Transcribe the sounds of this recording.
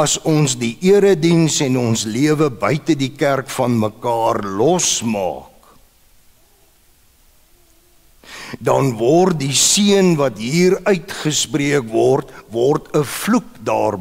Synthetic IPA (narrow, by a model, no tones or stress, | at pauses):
ɐsɔnsdiʔiəɾədinsɛnɔnsliəvəbœɥtədikærkfɐnməkɑːrlɔsmɑ̰ːk | dɐnvɔrt̚disiənvɐtɦiːrœɥtχəspriəkvɔrtvɔrtʰəfluk̚dɑ̰ːrb